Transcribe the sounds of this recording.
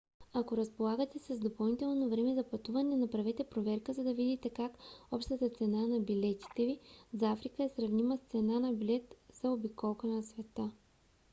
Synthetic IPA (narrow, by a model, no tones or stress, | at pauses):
ɐkoɾɐspolˠaɡət̪ɛsɐzd̪opɐlˠnit̪ɛlˠnovɾɛmɛzɐpɐt̪uvɐnɛnɐpɾɐvɛt̪ɛpɾovɛɾkəzɐd̪ɐvid̪it̪ɛkakɔpʃt̪ət̪ət̪sɛnanɐbilɛt̪i̥t̪ɛvizafɾikəɛsɾɐvniməst̪sɛnanɐbilɛt̪z̥ɐobikɔlˠkənɐsvɛt̪ə